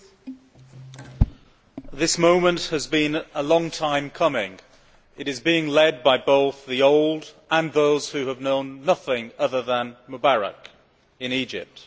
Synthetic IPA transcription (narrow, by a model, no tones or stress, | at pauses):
ðɪsmõʊ̃mə̃nʔhəzbĩnəlɒ̃ŋtʰãɪ̃mkʰʌmɪ̃ŋ | ɪɾɨzbiɪ̃ŋlɛd̚baɪboʊθðioʊlˠdʔə̃nðoʊz̥hʉəvnõʊ̃nːʌθɪ̃ŋʌðəðə̃nməbaɹə̰k | ɪ̃nid͡ʒɪ̰p̚t